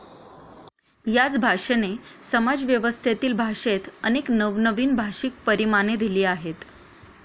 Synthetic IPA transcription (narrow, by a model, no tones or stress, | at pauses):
jat͡sbʱaʂənesəmad͡zʋjəʋəst̪ʰet̪iːlbʱaʂet̪əneknəʋnəʋiːnbʱaʂik̚pəɾimaned̪iliːaɦet̪